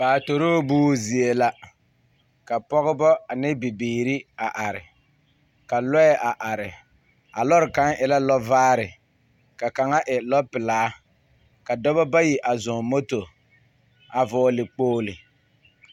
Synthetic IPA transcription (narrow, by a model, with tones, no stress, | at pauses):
baː˨to˨ɾoː˦buː˦zi˨e˨la˦ | ka˨pɔ˦ɣɪ˦bɔ˦a˨nɪ˦bi˨biː˨ɾi˦a˨ʔa˨ɾɪ̰˨ | ka˨lɔ˦ɛ˦ʔa˨ʔa˨ɾɪ˨ | a̰˨lɔ˦ɾɪ˨ka˦ŋʔɪ˨la˦lɔ˦vaː˦ɾɪ˨ | ka˨ka˨ŋa˦ʔɪ˨lɔ˦pɪ˨laː˦ | ka˨dɔ˦bɔ˦ba˦ji˨ʔa˨zʊ˨mo˦to˨ | a˨vɔː˨˦lɪ˨k͡poː˦lɪ˨